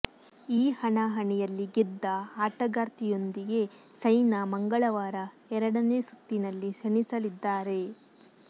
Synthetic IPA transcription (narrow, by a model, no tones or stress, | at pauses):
iːhɐɳɐɦɐɳɛjɐlːiɡid̪ːɐaːʈɐɡaːɾt̪ijo̞nd̪iɡe̞ | sɐjnɐmɐŋɡɐɭɐʋaːɾɐ | ɛɾɐɽɐne̞ːsut̪ːinɐlːiseɳisɐlid̪ːaːɾe̞